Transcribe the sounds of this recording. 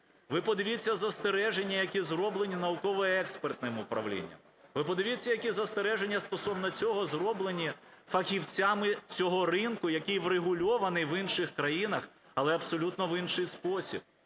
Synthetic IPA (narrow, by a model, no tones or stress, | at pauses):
ʋɪpɔd̪ɪʋʲit͡sʲːɐzɐst̪eɾɛʒenʲːɐjɐkʲizɾɔblˠe̞nʲinɐʊkɔʋɔjɛɛkspert̪nɪmʊpɾɐ̰wlʲḭnʲːɐ̰m | ʋɪpɔd̪ɪʋʲit͡sʲːɐjɐkʲizɐst̪eɾɛʒe̞nʲːɐst̪ɔsɔwnɔt͡sʲɔɦɔzrɔblˠenʲi | fɐxʲiwt͡sʲamɪt͡sʲɔɦɔrɪnkʊjɐkʲijʋɾeɦʊlʲɔʋɐnɪjʋɪnʃɪxkɾɐjinɐx | ɐlˠɛɐbsɔlʲut̪nɔʋinʃɪjspɔsʲḭb̚